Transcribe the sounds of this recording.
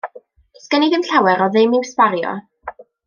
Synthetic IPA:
skəniðɪmɬawɛɾɔðɨmiwspaɾjɔ̰

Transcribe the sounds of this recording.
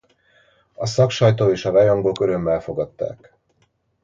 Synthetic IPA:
ɒsɒkʃɒjt̪oːeːʃɒvɛjoŋɡo̞køɾø̞mːɛlfo̞ɡɒt̪ːa̰ːk

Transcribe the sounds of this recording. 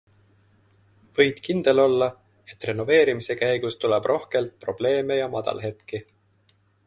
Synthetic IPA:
vɤ̞jd̪̥kind̪̥e̞lo̞lːɑ | e̞t̪ːˑre̞no̞ve̞ːɾimise̞kæjɡ̥ust̪uleb̥rʔo̞hke̞lt̪̚pro̞b̥le̞ːme̞jɑmɑd̪̥ɑ̰lɦe̞t̪ki

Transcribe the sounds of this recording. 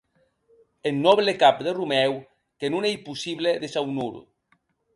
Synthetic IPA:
enːɔβlekapd̪erumɛw | kenunejpusiβleðesawnuɾṵ

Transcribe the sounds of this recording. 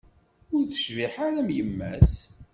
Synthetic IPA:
ʊɾθə̥ʃviħaɾæmjəmːæ̰s

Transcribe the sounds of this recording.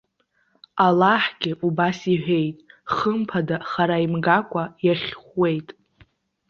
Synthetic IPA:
alaħɡʲɪʔubasiħʷᶣe̞jtʼχəmpʰadaχaɾaimɡakʷʼajaχʲχʷːe̞jtʼ

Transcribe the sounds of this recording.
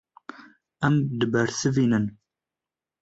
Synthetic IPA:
ɐmd̪ɨbɐɾsɨviːnɨn

